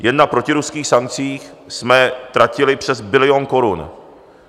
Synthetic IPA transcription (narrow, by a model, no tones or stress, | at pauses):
jɛdnːapɾo̞cɪɾuskiːxsaŋk̚t͡siːx | smɛt̪ɾacɪlɪpr̝̥ɛzbɪlɪonko̞ɾun